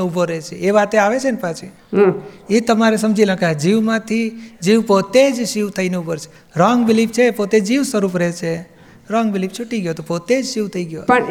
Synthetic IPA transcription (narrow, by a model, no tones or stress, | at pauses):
eubʱoɾɛt͡ʃʰeeʋat̪eaʋet͡ʃʰenpat͡ʃʰi | ɦet̪əmaɾesəmd͡ʒʱilə̃kaɦd͡ʒiʋmãt̪ʰid͡ʒiʋpot̪ed͡ʒʃiʋt̪ʰəineubəɾt͡ʃʰe̥ | ɾɔŋɡbɪlipt͡ʃʰepot̪ed͡ʒiʋsəɾupɾet͡ʃʰe | ɾɔŋɡbɪlip̚t͡ʃʰuʈiɡjot̪opot̪ed͡ʒʃiʋt̪ʰəiɡjo̰pə